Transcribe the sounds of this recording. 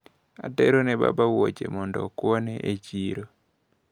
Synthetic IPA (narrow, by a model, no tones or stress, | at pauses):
atɛɾonɛba̰bawot͡ʃemɔndɔkwɔnɛʔet͡ʃiɾo